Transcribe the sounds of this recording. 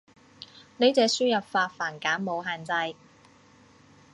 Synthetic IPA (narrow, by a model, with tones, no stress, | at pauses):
ne˨˧jt͡sɛː˨˧syː˥jɐ˨p̚faː˧tfaː˨˩nkaː˨˥nmo˨˧wɦaː˨˩nt͡sɐ˧j